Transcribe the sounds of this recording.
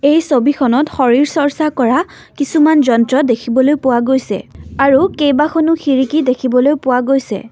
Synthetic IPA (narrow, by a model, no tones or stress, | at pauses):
ejsobikʰɔnɔtxɔɹiɹsɔɹsakɔɹa | kisumanzɔntɹɔdekʰibɔlojpʊwaɡojsɛ̰aɹukejbaxʰɔnʊxiɹikidekʰibɔlojpʊwaɡojsɛ̰